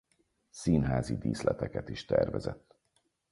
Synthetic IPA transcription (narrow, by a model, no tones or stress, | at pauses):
siːnɦaːzid̪iːslɛt̪ɛkɛt̪iʃt̪ɛrvɛzɛt̪ː